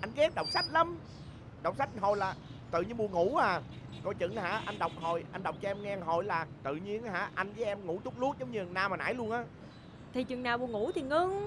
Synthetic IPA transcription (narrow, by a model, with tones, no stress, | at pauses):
ʔa˧jŋɣɛ˦˥k̚ɗə˨˩wk͡p̚sa˦˥jk̚lə˧m | ɗə˨˩wk͡p̚sa˦˥jk̚ɦo˨˩jlaː˨˩ | t̪ɨ̰˨˧˨ɲi˧nmu˨˧˩əŋu˧˥aː˨˩ | kɔ˧˩jt͡ɕɨ̰˧˨˥ŋha̰ː˧˥ʔa˧nɗə˨˩wk͡p̚ɦo˨˩jʔa˧jn̟ɗə˨˩wk͡p̚t͡ɕɔ˧ʔɛ˧mŋɛ˧ŋɦo˨˩jlaː˨˩t̪ɨ̰˧˨ɲi˧ənha̰ː˧˥ʔa˧jŋt͡ɕə˨˦ʔɛ˧mŋṵ˧˥t̪ʊ˦˥k͡p̚lu˦˥ət̚zə˨˦ŋ͡mɲɨ˧˩˨ŋnaː˧˩maː˨nʔa̰ː˧˥˦jlu˧ənʔaː˨˦ | t̪ʰi˨˩t͡ɕwi˨ənaː˨˩wmu˨˩ŋu˧˥t̪ʰi˨˩ŋɨ˧ŋ